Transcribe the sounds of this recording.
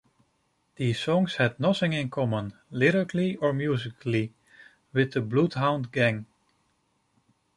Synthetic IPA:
ð̥izsɔ̃ŋshɨd̚ⁿnʌθɪ̃ŋɪ̃nkʰɔmə̃nlɪɾəkl̩iə˞mjuzɪkʰli | wɪðəbludɦãʊ̃ndɡæ̃ŋ

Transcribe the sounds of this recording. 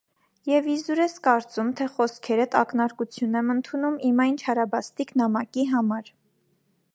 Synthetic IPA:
jɛvizuɾɛskɑɾt͡sumt̪ʰɛχɔskʰɛɾət̪ɑknɑɾkut͡sʰjunɛmənt̪ʰunumimɑjnt͡ʃʰɑɾɑbɑst̪iknɑmɑkiɦɑmɑɾ

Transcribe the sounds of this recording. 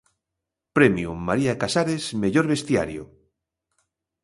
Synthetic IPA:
pɾemjumaɾiakasaɾesmeʎoɾβest̪ja̰ɾjo̰

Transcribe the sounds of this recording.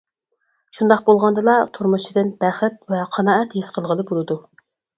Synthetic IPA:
ʃund̪ɑqbolˠʁɑnd̪ɨlˠɑt̪ʰuɾmuʃid̪ɨnb̥æχɪt̪̚vɛqʰɑnɑːɛt̪hisqʰəlˠʁəlˠɨbolˠɨd̪u

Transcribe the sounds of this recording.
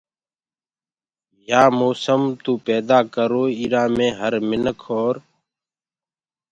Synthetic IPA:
jaːmoːsəmt̪uːpɛːd̪aːkəɾoːiːɾaːmẽːɦəɾmɪnəkʰɦoːɾ

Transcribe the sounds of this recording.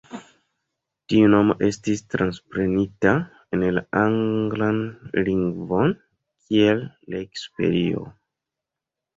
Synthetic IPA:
tiuno̞mo̞̰ʔe̞stistɾanspɾe̞nita | enla̰aŋɡlanliŋɡvo̞n | kʰie̞lːaekspe̞̰ɾio̞̰

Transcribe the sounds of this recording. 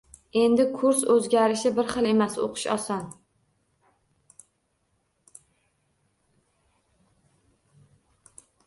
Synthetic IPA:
e̞nd̪ɪkʰʊɾsɵzɡʲaɾɪʃɪbɪɾχɨlˠe̞maso̰qʰɨ̥ʃɒ̰sɒn

